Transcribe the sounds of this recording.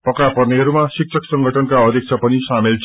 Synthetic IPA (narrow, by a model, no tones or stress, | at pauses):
pʌkapʌrneɦʌɾumasik̚t͡sʰʌksʌŋɡʱʌʈʰʌnkaʌd̪ʱjʌk̚t͡sʰʌpʌnisamilt͡sʰ